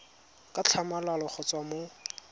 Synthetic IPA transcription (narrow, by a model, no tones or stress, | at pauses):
kʼat͡ɬʰamalalɔχɔt͡sʼwamo